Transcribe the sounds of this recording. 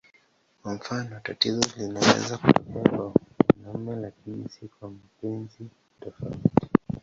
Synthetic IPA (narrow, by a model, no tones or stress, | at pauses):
kwam̩fanɔtatizɔlinawɛ̰zakutɔkɛakwaanamɛlakinisikuamapɛnzi | tɔfaiti̥